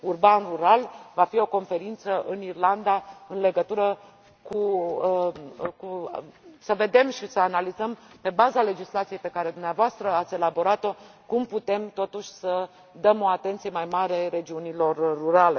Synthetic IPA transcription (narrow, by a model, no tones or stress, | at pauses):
urbanruɾalvafio̞ko̞nfe̞ɾint̪səʔɨnirland̪aɨnle̞ɡət̪uɾə | ku | ku | səve̞d̪e̞mʃisəanalizəm | pe̞bazale̞d͡ʒislat̪sije̞jpe̞kaɾe̞d̪umneavoast̪ɾəat̪sʲe̞labo̞ɾat̪o̞ | kumput̪e̞mt̪o̞t̪uʃʲsə | d̪əmo̞at̪e̞nt̪sijemajmaɾe̞ɾe̞d͡ʒiunilo̞rːuɾale̞